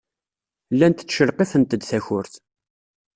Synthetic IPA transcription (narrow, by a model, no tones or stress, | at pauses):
lːænt̪t͡sːʃəlqeθənt̪əd̪θæçʊɾθ